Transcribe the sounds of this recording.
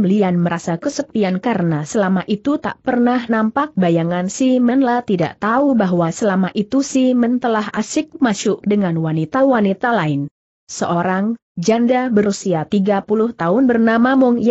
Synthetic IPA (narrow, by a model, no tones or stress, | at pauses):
mlianməɾasakəsəpiankaɾənasəlamaʔit̪ut̪a̰ʔpərnahnampak̚bajaŋansɪhmənlaht̪ida̰ʔt̪aubaɦwasəlamaʔit̪usɪhmənt̪əlaɦasɪk̚maʃʊʔdəŋanwanit̪awanit̪alaɪn | səʔoɾaŋ | d͡ʒandabəɾusiat̪iɡapulʊht̪aʊnbərnamamʊŋ